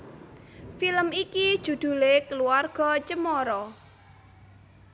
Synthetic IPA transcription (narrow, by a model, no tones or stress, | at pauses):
filəmikid̥ʒ̥ṳd̪̥ṳlekəluarɡ̥ɔ̤t͡ʃəmɔɾɔ